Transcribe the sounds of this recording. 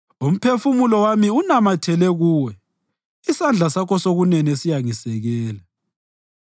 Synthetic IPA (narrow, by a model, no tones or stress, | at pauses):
um̩pʰefumulɔwamiunamatʰɛlɛɣuːwɛ | isand͡ɮʱasakɔsoɣunɛnesijaŋisɛɣɛːla